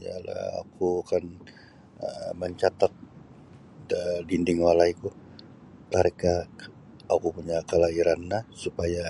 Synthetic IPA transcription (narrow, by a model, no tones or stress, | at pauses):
ja̰la̰a̰kukan | ə̰məɲt͡ʃat̪at̪̚ | ədindɪŋwalaiku | t̪aɾeka | akupuɲakəlaiɾanːasupaja